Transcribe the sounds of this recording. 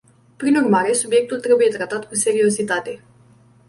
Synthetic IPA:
pɾinurmaɾe̞subje̞k̚t̪ult̪ɾe̞buje̞t̪ɾat̪at̪kuse̞ɾio̞sit̪at̪e̞

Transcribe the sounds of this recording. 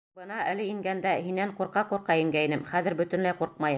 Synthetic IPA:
bɤ̆nɑælɘiŋɡænd̪æhinːæɴquɾqɑquɾqɑĭŋɡæinɘmχæðɘ̆ɾbɵ̆t̪ɵ̆nlæjquɾqmɑjɤ

